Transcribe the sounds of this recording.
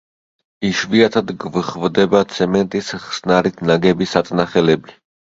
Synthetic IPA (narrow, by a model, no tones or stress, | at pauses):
iʃviat̪ʰad̪ɡvχvd̪ɛbat̪sʰɛmɛnt̪ʼisχsnaɾit̪ʰnaɡɛbisat̪sʼnaχɛlɛbi